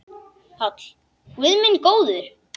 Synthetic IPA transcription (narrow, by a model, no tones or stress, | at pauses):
hɔt̪l | wɪðmɪnkoːwðʏɾ̥